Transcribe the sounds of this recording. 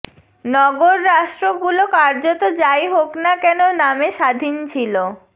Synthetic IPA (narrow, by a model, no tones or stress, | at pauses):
nɔɡoɾːaʃʈɾoɡulokaɾd͡ʑot̪od͡ʑajɦoknakɛnonameʃad̪ʱint͡ɕʰilo